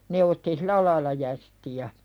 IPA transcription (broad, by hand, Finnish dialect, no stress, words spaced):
ne otːi silæ lɑilɑ jæstiæ